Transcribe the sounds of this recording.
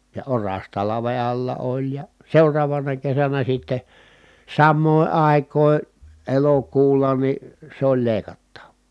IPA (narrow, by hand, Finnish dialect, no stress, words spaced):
jɑ orɑs tɑlɑʋe ɑlːɑ olʲ jɑ seurɑːʋɑnɑ kesænæ sitːe sɑmːoˑi̯ ɑˑi̯kˑoˑi̯ elokuːlːɑ ni sĕ olʲ leˑi̯kɑtːɑʋˑoː